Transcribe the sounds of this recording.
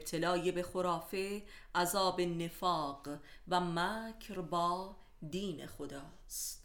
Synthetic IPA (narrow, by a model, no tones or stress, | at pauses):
b̥t̪ʰe̞lɒːjebe̞xoɾɒːfe̞ | ʔæzɒːbe̞ne̞fɒːɢ | væmæːcʰɾbɒː | d̪iːnexod̪ɒː | st̪